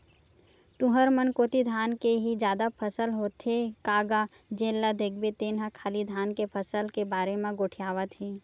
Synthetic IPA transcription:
t̪ʊ̃ɦəɾmənkoːt̪id̪ʱaːnkeɦid͡ʒjaːd̪apʰəsəlɦoːt̪ɦekaːɡa | d͡ʒẽːlːad̪ek̚ʰbet̪eːnɦãkʰaːlid̪ʱaːnkepʰəsəlkebaːɾemẽɡoːʈʰijaːʋət̪ɦɛː

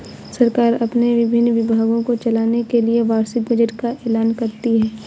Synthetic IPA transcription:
sɐɾkaːɾɐpneʋɪbʱɪnːʋɪbʱaːɡõkot͡ʃɐlaːnekelieʋaːɾsɪk̚bɐd͡ʒəʈkaʔɛːlaːnkɐɾt̪iɦɛː

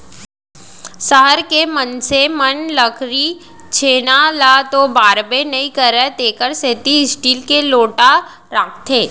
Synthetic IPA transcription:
səɦəɾkemənsemənləkʰɾi | t͡ʃʰeːnalat̪obaːɾbenɐĩkəɾet̪eːkəɾseːt̪iɪsʈiːlkeloːʈa | ɾaːk̚ʰt̪ʰeː

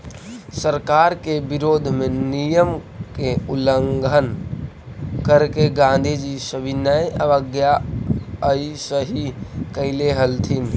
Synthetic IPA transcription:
səɾkaɾkebiɾod̪ʱmenijəm | keuləŋɡʱən | kəɾkeɡãnd̪ʱid͡ʒisəbʱinəjəʋəɡja | əisəɦikəɪleɦəlt̪ʰin

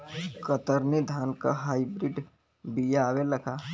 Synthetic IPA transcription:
kət̪əɾned̪ʱaːnka̰ɦaibɾiɖ | bijaːweləkʰa

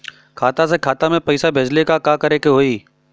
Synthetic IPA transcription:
kʰaːt̪as̬ekʰaːt̪amẽpəɪsabʱeːd͡ʒlekakakəɾekeɦoːiː

